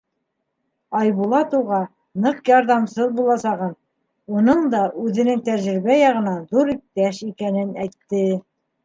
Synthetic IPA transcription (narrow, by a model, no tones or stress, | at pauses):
ɑjβulˠɑt̪uwʁɑ | nɤqjɑɾðɑmsɤðbulˠɑsɑʁɤn | unɤɴd̪ɑʔʉðɘ̆nɘŋt̪æɾʒɾɘ̆βæjɑʁɤ̆nɑðuɾik̚t̪æʃikænɘnæjt̪ːɘ